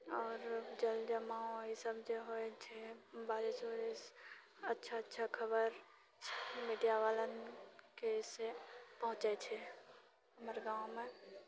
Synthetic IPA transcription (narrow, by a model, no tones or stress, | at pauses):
ɔːɾd͡ʒəld͡ʒəmaõisəbd͡ʒeɦoet͡ʃʰebaːɾɪsoɾes | ətːʃʰaətːʃʰakʰəbəɾ | miːɖijaʋaːlənkesepəɦʊ̃t͡ʃet͡ʃʰɛ | əmɾeɡãːõmẽ